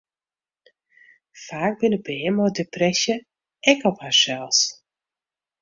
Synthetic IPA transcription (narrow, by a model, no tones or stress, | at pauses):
faːk̚bɪnəbəɪmɔdeprɛsjə | ɛkɔphasɛlˠs